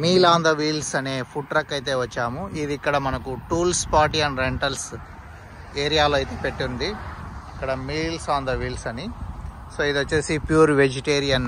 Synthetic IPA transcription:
miːlaːnd̪ɐʋiːlsɐne̞ːpʰuʈɾɐkːɐjt̪̬e̞ːʋɐt͡ʃːaːmuid̪ikːɐɽɐmɐnɐkuʈuːlspaːɾʈiɐnɾeɳʈɐls | eːɾijaːloːɐjt̪e̞ːpeʈːund̪iikːɐɽɐmiːlsaːnd̪ɐʋiːlsɐni | soːid̪ot͡ʃːeːsipjuːɾʋed͡ʒiʈeːɾijɐn

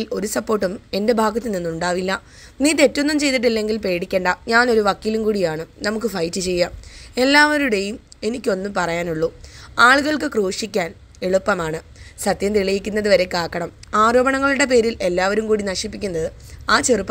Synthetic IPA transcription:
lo̞ɾusɐpːo̞ːrʈːume̞nde̞bʱaːɡɐt̪ːininːuɳɖaːʋilːɐ | niːt̪e̞tːunːumt͡ɕe̞jt̪iʈ̬ːilːe̞ŋɡilpe̞ːɽikʲːe̞ːɳɖɐɲaːno̞ɾuʋɐkːiːlumkuːɽijaːɳɨnɐmuk̬ːɨfɐjtːɨt͡ɕe̞jːae̞lːaːʋɐɾuɽe̞jum | e̞nikʲːo̞nːɨmpɐrɐjaːnuɭːuaːɭuɣɐɭkɨkroːʂikʲːaːn | eɭupːɐmaːɳɨ | sɐt̪jɐmt̪iɭɐjikʲːunːɐðɨʋɐɾe̞kaːkːɐɳɐmaːɾo̞ːbɐɳɐŋːɐɭuɽe̞p̬e̞ːɾilʔe̞lːaːʋɐɾumkuːɽinɐɕipːikʲːunːɐðɨ | aːt͡ɕerɨpːɐ

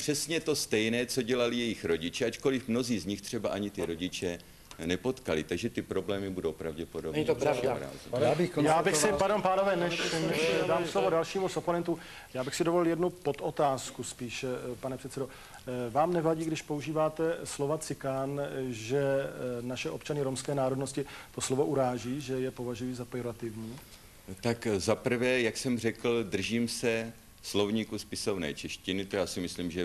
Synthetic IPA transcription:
pr̥ɛsɲɛt̪o̞st̪ɛjnɛːt͡so̞ɟɛlalɪjɛjɪxɾo̞ɟɪt͡ʃɛʔat͡ʃko̞lɪfmno̞ziːzɲɪxt̪r̥ɛbaʔaɲɪt̪ɪɾo̞ɟɪt͡ʃɛ | nɛpo̞t̪kalɪt̪aɡʒɛt̪ɪpɾo̞blɛːmɪbudowpɾavɟɛpodobɛɲiavaɾa̰ːziabɪjaːbɪxsɪpaɾdompaːnovɛːnɛʃnɛdaːmslovodalʃiːmusoponɛnt̪uː | jaːbɪxsɪdovolɪljɛdnupo̞t̪ot̪aːskuspiːʃpanɛpr̥ɛt̪sɛdo̞ | vaːmnɛvaɟiːɡdɪʃpouʒiːvaːt̪ɛslovat͡sɪkanʒɛnaʃɛʔo̞pt͡ʃanɪɾomskɛːnaːɾo̞dnoscɪt̪o̞slo̞vo̞ʔuɾaːʒiːʒɛjɛpo̞vaʒujiːzapɾɪjo̞ɾat̪ɪvɲiː | t̪akzapr̩vɛːjaksɛmr̝ɛkl̩d̪r̩ʒiːmsɛ | slovɲiːkuspɪsovnɛ̰ːt͡ʃɛʃcɪnɪt̪jaːsɪmɪsliːmʒɛ

